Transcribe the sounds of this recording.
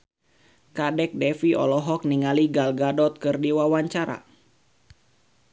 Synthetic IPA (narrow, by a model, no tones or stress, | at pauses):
kadɛk̚dɛfiɔ̰lɔɦɔk̚niŋaliɡalɡadɔt̪̚kɨrdiwawaɲt͡ʃaɾa̰